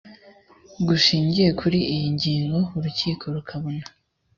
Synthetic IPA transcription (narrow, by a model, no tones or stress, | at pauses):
ɡuʃiːɲɟije̞kʰuɾiʔijiɲɟiːŋɡo̞uɾuciːkʰo̞ɾukʰaβona